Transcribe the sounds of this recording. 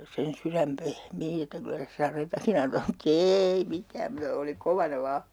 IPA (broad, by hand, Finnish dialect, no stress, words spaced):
sen syræm pehmiː etːæ kylæ se sɑretɑkin ɑntɑː mut eːi mitæːm mutɑ oli koʋɑnɑ ʋɑː